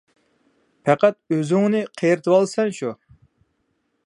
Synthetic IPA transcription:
pʰæqæt̪̚øzɪŋnɨqʰejɾɪt̪ʰwɑlˠsɛnʃu

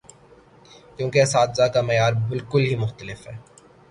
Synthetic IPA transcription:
kjõːkeɐsaːd̪zakamɐjaːɾbɪlkʊlɦimʊxt̪əlɪfɦɛ̰ː

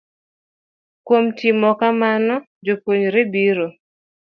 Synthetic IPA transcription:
kwomtimɔkamanɔ | d͡ʒopwoɲɾebiɾo

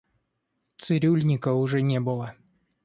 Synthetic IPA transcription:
t̪sɨɾʲulʲnʲɪkəʊʐɛnʲebɨlˠə

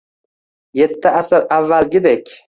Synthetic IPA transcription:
je̞t̪ʰːɪʔasɪɾavːalɡʲɪd̪ekʲ

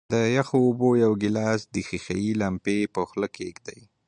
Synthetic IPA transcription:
d̪əjaxoːbojawɡɪlɑsd̪ixixa̰jilampepəxləkeɡd̪aj

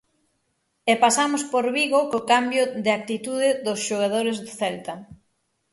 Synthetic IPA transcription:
ɛpasamʊspoɾβiɣokokambjʊðɪak̚t̪it̪uðɪðʊsʃoɣ̞að̞oɾɪzðʊθɛlt̪a

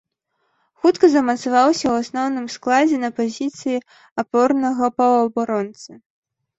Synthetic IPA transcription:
xut̪kɐzɐmɐt̪savawsʲɐwasnɔwnɨmsklˠad͡zʲɛnɐpazʲit̪sɨji | apɔrnɐɣɐpɐwɐbaɾɔnt̪sɨ

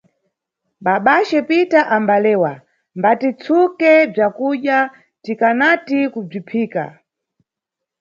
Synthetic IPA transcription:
ɓaɓat͡ʃɛpitaʔambalɛːwa | mbatit͡sʰukɛb͡ʐakuɗja | tikanatikub͡ʐipʰiːka̰

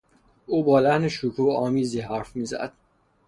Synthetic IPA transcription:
uːbɒːlæhneʃukʰuːɒːmiːziːɦæɾfmiːzæ̰d̪̥

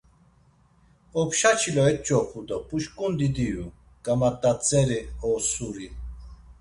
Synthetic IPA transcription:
ɔpʃat͡ʃʰilɔɛt̪̚t͡ʃʼɔpʰud̪ɔpʼuʃkʼund̪id̪iju | ɡ̥amat̪ʼːat͡sʼɛɾiɔːsuɾi

